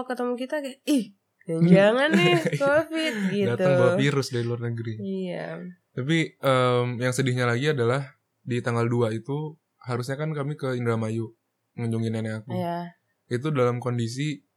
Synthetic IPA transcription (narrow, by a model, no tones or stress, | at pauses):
kət̪əmukit̪akaih | d͡ʒaɲd͡ʒaŋanːɛhkofɪt̪̚ɡidat̪əŋbafiɾʊsdaɾiluarnəɡɾiija̰t̪ap̬iəmjaŋsədɪhɲalaɡiadalah | dit̪aŋɡalduait̪u | haɾus̬ɲakankamikəindɾamaju | əŋuɲd͡ʒuŋinenɛakuja | it̪̬udalamkondis̬i